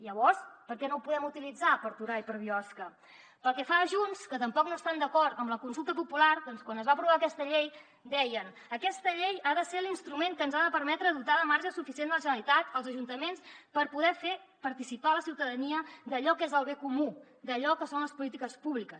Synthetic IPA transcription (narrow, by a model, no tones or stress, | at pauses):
ʎəβɔɾspəɾkɛnopuðɛmut̪ilid͡zapəɾt̪uɾaipəɾβiɔskə | pəlˠkɛfaːʒunskət̪əmpɔknoəst̪and̪əkɔɾt̪əmləkunsulˠt̪əpupulaɾd̪ɔnskwanəzβapɾuβaəkɛst̪əʎej | d̪ɛjən | əkɛst̪əʎejaðəselinst̪ɾumeŋkənzaðəpəɾmɛt̪ɾəðut̪aləmaɾʒəsufisiend̪ələʒənəlit̪at̪əlˠzəʒunt̪əmenspəɾpuðɛfe | pəɾt̪isipaləsiwt̪əðəniəd̪əʎɔkezəlˠβekumu | d̪əʎɔkəsonləspulit̪̬ikəspuβlikəs